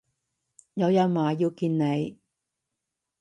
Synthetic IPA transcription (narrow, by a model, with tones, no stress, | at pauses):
jɐ˨˧wjɐ˨˧wmaː˨jiː˧wkiː˧nne˨˧j